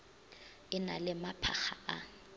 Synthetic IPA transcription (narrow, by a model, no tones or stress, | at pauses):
ɪna̰lɪmapʰa̰χaʔa